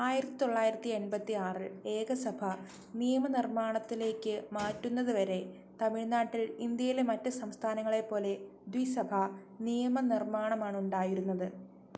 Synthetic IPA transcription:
aːjiɾɐt̪ːi̥t̪o̞ɭːaːjiɾɐt̪ːienbɐt̪ːiaːrɨe̞ːɡɐsɐbʱɐ | nijɐmɐnirmaːɳɐt̪ːile̞ːkːɨmaːtːunːɐðɨʋɐɾe̞ | t̪ɐmiɻnaːʈːilind̪jɐjilemɐtːɨsɐmst̪ʰaːnɐŋːɐɭe̞pːo̞ːle̞d̪wisɐbʱɐ | nijɐmɐnirmaːɳɐmaːɳuɳɖaːjiɾunːɐðɨ

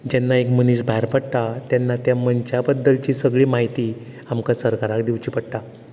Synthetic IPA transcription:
d͡ʑanːaekməniːsbʱaɾpəɽt̪at̪janːat̪jamənt͡ɕjabəd̪ːəlt͡ɕiːsəɡɭiːmaɦit̪i | amkasəɾkaɾakd̪iwt͡ɕiːpəɽt̪a

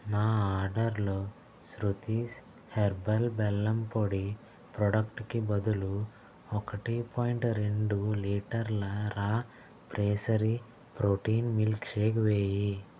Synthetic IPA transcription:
maːaːɾɖɐɾloː | sɾut̪is | heɾbɐlbɛlːɐmpoɽi | pɾɔɖɐkʈkibɐd̪ulu | ɔkɐʈipʰɔːjiɳʈɾeɳɖuliːʈɐɾlɐɾaː | pɾʔeːsɐɾi | pɾoːʈiːnmilkʃeːɡʋeːji

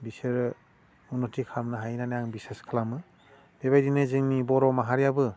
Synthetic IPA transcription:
biseɾ | unɔtʰikʰamnaɦajnanajaŋbiseskʰalamɯ | d̥eβajdinɯzɯŋnibɔɾɔmaɦaɾjabɯ

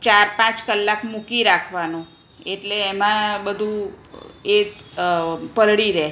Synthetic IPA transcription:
t͡ʃaɾpãt͡ʃkəlːakmukiɾakʰʋanũ | eʈleːmãbəd̪ʱũ | e | pəɾɽiɾɛ

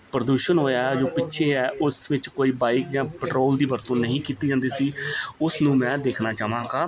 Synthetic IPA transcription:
pɾəd̪uːʃənɦoːjaːɛd͡ʒoːpɪtːʃʰeːɛːʔʊsʋɪt͡ʃkoːiːbaːɪkjãːpəʈɾoːld̪iːbəɾt̪õːnəɦĩːkiːt̪iːd͡ʒãːnd̪iːsiːʊsnũːmɛ̃ːd̪eːkʰnaːt͡ʃaːʋãːɡaː

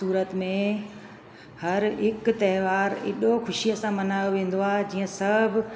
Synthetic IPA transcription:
uːɾət̪mẽ | hɐɾɦɪk̆t̪ɐɦʋaːɾɪ̰ɗoxʊʃijəsãmɐnaːjoʋẽːn̆d̪oaːɦd͡ʑiːə̃sɐbʱɪ̆

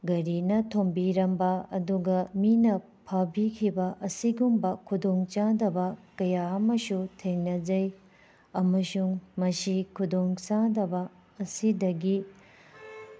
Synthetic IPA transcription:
ɡɐɾinɐtʰombiɾɐmbɐɐ̰duɡɐminɐ | pʰɐbikʰibɐʔɐsiɡumbɐkʰudoŋt͡ʃadɐbɐkɐjaɐmɐsutʰeŋnɐd͡ʒɐj | ɐmɐsuŋmɐsikʰudoŋt͡ʃadɐbɐː | sidɐɡi

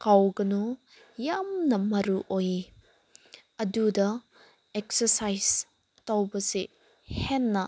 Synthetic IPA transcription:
kawɡɐnu | jamnɐmɐɾuʔoji | ɐdudɐ | ek̚sɐɾsajz̥ | tawbɐse | henːɐ

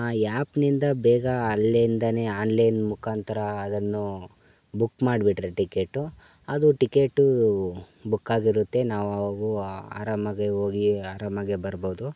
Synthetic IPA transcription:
aːjaːpnind̪ɐbɛːɡɐːllejnd̪ɐne̞aːnlɐjnmukʰaːnt̪ɐɾɐːd̪ɐnːu | bukːmaːɖbiʈɾeʈikeːʈːu | ɐd̪uʈikeːʈːu | bukːaːɡiɾut̪ːe̞naːʋɐʋɐɡua̰ːɾaːmɐɡeoːɡiaːɾaːmɐɡe̞bɐɾboːd̪u

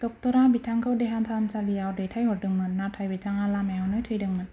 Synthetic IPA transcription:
d̥ɔk̚tɔɾabitʰaŋkʰɯwdeɦantʰamt͡ʃaliawdejtʰajhɔt̚dɯŋmɯt̚natʰajbitʰaŋalamaawnɯjtʰɯjdɯŋmɯt

